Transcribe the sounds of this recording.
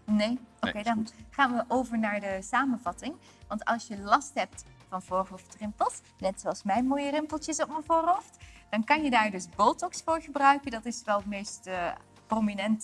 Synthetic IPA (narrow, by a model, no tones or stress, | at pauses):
nejokejdɑnχaːnʋəʔowvəɹnaːɹdəsaːmənvɑtɪŋ | ʋɑntɑ̰lˠsjəlɑstɦɛp̚tfɑnvoːrɦoftrɪmpəlˠt | nɛtsoɑlˠsmɛjnmoːjərɪmpəlˠtəsɔp̚mənvoːɹɦowftd̥ɑnkɑnjədaːɹdɵsbolˠtɔksfʊːɹχəbrœɥkəndɑtɪsʋɛlˠətmejst | prominɛnt